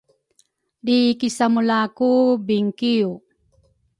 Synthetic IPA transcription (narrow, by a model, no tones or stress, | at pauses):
likisamulakubiŋkiu